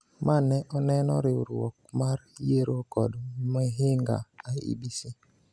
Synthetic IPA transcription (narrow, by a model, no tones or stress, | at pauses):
manɛʔɔnɛnɔ̰ɾɪuɾɔ̰k̚maɾjeɾokɔdmɛɦeŋɡa̰aḭbisi